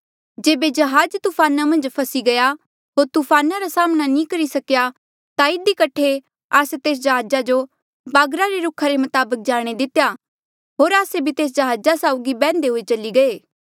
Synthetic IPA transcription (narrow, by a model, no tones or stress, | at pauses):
d͡ʒeːbed͡ʒɐɦaːd͡ʒt̪uːpʰaːnamɐ̃nd͡ʒpʰɐsiɡɐja | ɦoːɾt̪upʰaːnaɾasaːmnanĩkɐɾisɐkja | t̪aɪd̪ikɐʈʰe | aːset̪eːs̬d͡ʒɐɦaːd͡ʒad͡ʒo | baːɡɾaɾeɾʊkʰaɾemɐt̪aːbək̚d͡ʒaːɽ̃ed̪ɪt̪eja | ɦoːɾaːsebʱit̪eːs̬d͡ʒɐɦaːd͡ʒasaːʊɡibɛ̃ːnd̪eɦoːet͡ʃɐliɡɐeː